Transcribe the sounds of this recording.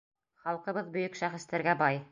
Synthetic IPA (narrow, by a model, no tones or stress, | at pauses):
χɑlˠqɤ̆βɤðbɵ̆jɵkʃæχɘ̆st̪æɾɡæbɑj